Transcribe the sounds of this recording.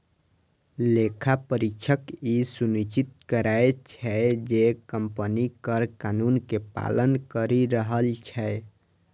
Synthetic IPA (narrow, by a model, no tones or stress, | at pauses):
lekʰapəɾikt͡ʃʰəkisunit͡ʃit̪̚kəɾaet͡ʃʰɛd͡ʒekəmpənikəɾkanunkepa̰lənkəɾiɾəɦəlt͡ʃʰɛ